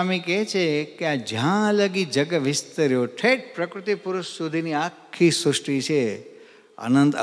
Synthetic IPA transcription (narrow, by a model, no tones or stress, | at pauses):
amiket͡ʃʰekead͡ʒãləɡid͡ʒəɡəʋɪst̪əɾjoʈʰeʈ̚pɾəkɾut̪ipʊɾʊʃsud̪ʱiniakʰːisʊʂʈit͡ʃʰe | a̰nənt̪